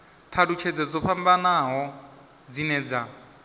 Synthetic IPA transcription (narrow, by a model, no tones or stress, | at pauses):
t̪ʰadut͡ʃʰɛd͡zɛd͡zɔɸambanaɦɔ | d͡zinɛːd͡za